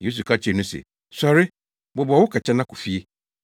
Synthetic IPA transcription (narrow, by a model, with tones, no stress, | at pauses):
je˦s̬u˨kʰa˦t͡ɕʰɪ˨nʊ̃˦sḛ˨ | sɔ˨ɾɪ˦ | bʊ˨bɔ˨˦wʊ˦kʰa˨t͡ɕʰɛ˦nã˦kʰʊ˨fi˦e˦